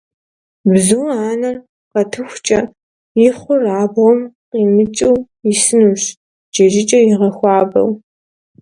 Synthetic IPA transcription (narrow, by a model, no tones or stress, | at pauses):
bzuwaːnɐr | qɐtʰɨxʷt͡ʃʼɐ | jɪχʷʊraːbʁɔmqiːmɨt͡ʃʼiw | jɪsɨnuːɕ | d͡ʒɐʒɪt͡ʃʼɐjɪʁɐxʷɑːbɐ̰w